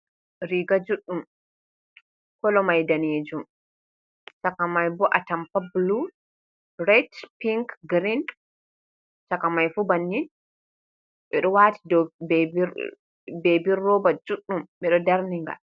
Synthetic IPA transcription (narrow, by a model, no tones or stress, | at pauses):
ɾiɡad͡ʒuɗːum | kɔlɔmajdaneːd͡ʒum | t͡ʃakamajbɔʔatampablu | ɾɛtpiŋkɡɾin | t͡ʃakamajfubanːin | ɓɛɗɔwaːti̥dɔbb | bebiɾːɔbad͡ʒuɗːumɓɛɗɔdaɾniŋɡa̰